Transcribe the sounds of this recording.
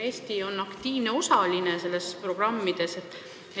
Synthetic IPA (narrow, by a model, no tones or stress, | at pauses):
eːst̪io̞nːɑkt̪iːvne̞o̞sɑlinese̞lːe̞spro̞ɡ̥rɑmːid̪̥e̞set̪ːˑ